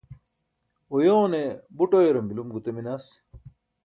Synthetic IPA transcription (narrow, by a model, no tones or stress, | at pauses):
ojoːnebuʈojeɾɐmilumɡut̪ɐminas